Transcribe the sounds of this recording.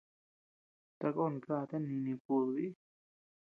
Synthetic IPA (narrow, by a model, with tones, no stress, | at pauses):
t̪a˧kɔ˧˨nka˧˨t̪a˦˨nːi˧nĩ˧pu˧˨lwi˦